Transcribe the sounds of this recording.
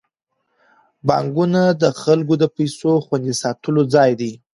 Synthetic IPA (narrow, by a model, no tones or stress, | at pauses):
bɑ̰ŋɡunad̪əxalɡod̪əpajsoxwand̪isɑt̪əlod͡zɑjd̪i